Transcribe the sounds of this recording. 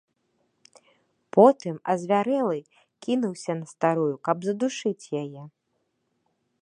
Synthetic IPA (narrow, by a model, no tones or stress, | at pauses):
pʰɔt̪ɨmɐzʲvʲaɾɛlˠɨ | kʲinuwsʲɐnɐst̪aɾujukɐbzɐd̪uʂɨt͡sʲjajɛ